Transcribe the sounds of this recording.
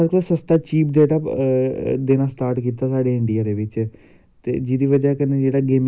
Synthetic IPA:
əɽkolsəst̪aːt͡ʃiːp̚deːʈa | d̪eːnasʈaːɾʈkiːt̪asaːɖeɪɳɖijad̪eːʋɪt͡ʃ | t̪ḛːd͡ʒiːd̪iːʋəd͡ʒaekəned͡ʒeːɽaɡeːm

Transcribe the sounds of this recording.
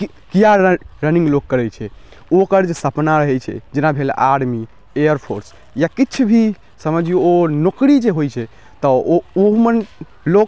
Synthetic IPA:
kijaɾɾənĩŋɡlok̚kəɾɛt͡ʃʰɛ | okəɾd͡ʒesəpnaɾəɦɛt͡ʃʰɛ̰d͡ʒinabʱela̰ɽmi | ejəɾpʰoɾs | jakit͡ʃʰubʱi | səməd͡ʒʱjeonokɾid͡ʒeɦojt͡ʃʰɛ | t̪ɔoɦmən | lok̚

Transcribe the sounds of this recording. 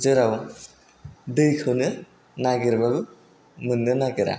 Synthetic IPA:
zɯɾaw | dɯjkʰɯwnɯ | naɡiɾbaɡɯ | mɯnːɯnaɡiɾa̰

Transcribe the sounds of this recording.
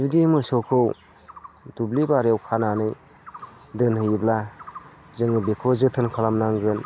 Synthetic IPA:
zudimɯsowkʰɯw | dublibaɾewkʰananɯj | dɯnhɯjibla | zɯŋɯbekʰozɯtʰɯnkʰalamnaŋɡɯn

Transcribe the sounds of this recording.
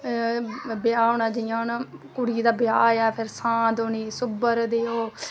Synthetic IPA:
bɪjaːoːnaːd͡ʒɪijãːnkʊɽiːd̪aːbɪjaːjaːpʰɪɾsãːd̪oːniːsʊbəɾd̪eːoː

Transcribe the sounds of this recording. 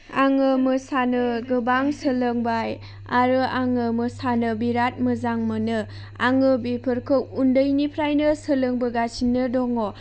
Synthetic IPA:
aŋɯmɯsanɯɡɯbaŋsəlɯŋbaj | aɾɯaŋɯmɯsanɯbiɾat̚mɯzaŋmɯnɯ | aŋɯbipʰɯɾkʰɯk̚undəjnipʰɾajnɯsələŋbɯɡat͡ʃʰinːɯdɔŋo

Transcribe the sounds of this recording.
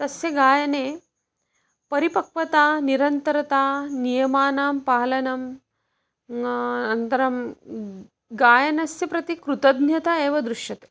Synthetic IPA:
t̪ɐsjɐɡaːjɐneː | pɐɾipɐk̚ʋɐt̪aːniɾɐnt̪ɐɾɐt̪aːnijɐmaːnaːmpaːlɐnɐm | nɐnt̪ɐɾɐm | ɡaːjɐnɐsjɐpɾɐt̪ikɾut̪ɐd̪njɐt̪aeːʋɐd̪ɾuʃjɐt̪e̥

